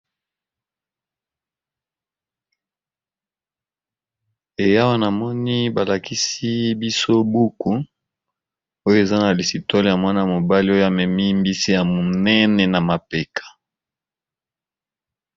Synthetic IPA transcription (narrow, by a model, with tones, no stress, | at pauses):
e˨ja˦wa˦na˨mɔ˦ni˦ba˨la˨ki˦si˦bi˦so˦bu˦ku˨ | o˦jo˦e˨za˦na˨li˨si˨tɔ˦lja˨mwa˦na˨mo˨ba˦li˦o˦jo˦a˨mɛ˨mi˦mbi˦si˦ja˨mo˨nɛ˦nɛ˨na˨ma˨pe˨kʰḁ˨